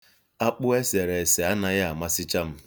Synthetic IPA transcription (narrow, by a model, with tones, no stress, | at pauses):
a˦k͡pʊ˦e˦se˨ɾe˨se˨a˦na˦ɣa˦a˨ma˦sɪ˦t͡ʃa˦m̩˦